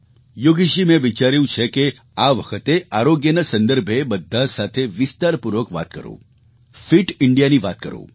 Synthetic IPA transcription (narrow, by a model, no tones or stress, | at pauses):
joɡiʃimẽʋɪt͡ʃaːɾjũt͡ʃʰeke | aːʋəkʰət̪eaːɾoɡjənasɐ̃nd̪əɾbʱebɐd̪ʱːasaːt̪ʰeʋɪst̪aːɾpuɾʋəkʋa̰ːt̪̚kə̰ɾo̰ː | fɪʈɪɳɖijaniʋaːt̪̚kə̰ɾo̰ː